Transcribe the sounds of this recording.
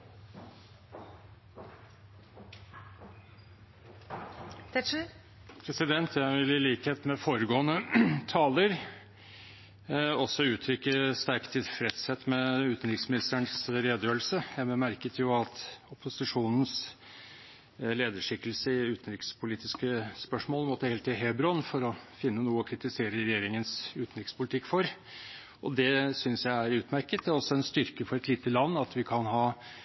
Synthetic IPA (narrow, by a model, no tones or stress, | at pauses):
t̪ɛ | pʰɾɛsɪd̪ɛnt̪ʰjæɪʋɪlɪliːkheːt̪mɛfoːɾəɡoːənət̪ʰɑːləɾ | ɔsːɔʉːt̪ʰɾʏkːəst̪æɾkt̪ʰɪlfɾɛt̪sɛt̪ːmɛʉːt̪n̩ɾɪksmɪnɪst̪əɳsɾeːd̪jøːlsəjæmɛmæɾkət̪jʊɑt̪ʊpʊsɪʂuːnn̩s | leːd̪əʂɪkːəlsəɪʉːt̪n̩ɾɪkspʰʊliːt̪ɪskəspœʂmoːlmɔt̪ːəhɛːlt̪ɪɦeːbɾɔnfɔɾɔfɪnːənuːəɔkʰɾɪt̪ɪseːɾəɾɛjeːɾɪŋənsʉːt̪n̩ɾɪkspʰʊlɪt̪ʰɪkːfɔɾ | ʔɔd̪ɛsʏnsjæɪæɾʉːt̪mæɾkət̪ɛɔsːɔɛnst̪ʏɾkəfɔɾɛt̪liːt̪əlɑnːɑt̪ʋɪkʰɑnɦɑː